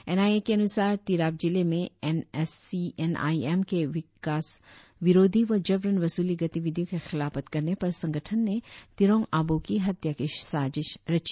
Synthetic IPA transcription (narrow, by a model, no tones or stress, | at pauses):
enaːiekeɐnʊsaːɾt̪iːɾaːb̚d͡ʒɪlemẽenɛsiena̰ːiemkeʋɪkaːs | ʋɪɾoːd̪ʱiʋɐd͡ʒɐʋɾənʋɐsuːliɡɐt̪iʋɪd̪ʱjõkexɪlaːfət̪kɐɾnepɐɾsɐ̃ŋɡəʈʰənːet̪ɪɾõːŋaːbokiɦɐt̪jakɪʃsaːd͡ʒɪʃɾɐt͡ʃi